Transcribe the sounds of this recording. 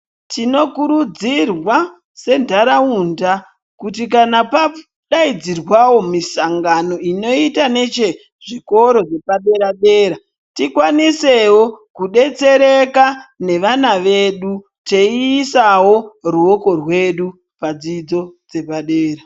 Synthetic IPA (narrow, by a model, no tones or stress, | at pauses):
tʰino̞kuɾud͡zirwa | se̞ndaɾaunda | kutikanapa | ɗaid͡zirwawo̞misaŋɡano̞ino̞itane̞t͡ʃe | ʐiko̞ɾo̞ʐe̞paɗe̞ɾaɗe̞ːɾa | tikwanise̞wokuɗe̞t͡se̞ɾekane̞ʋanaʋe̞ɗu | teiːsawo̞ruoko̞rwe̞ɗu | pad͡zid͡zo̞d͡ze̞paɗeːɾa